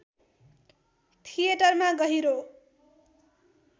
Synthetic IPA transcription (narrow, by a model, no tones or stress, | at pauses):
t̪ʰijeʈʌrmaɡʌɦiɾo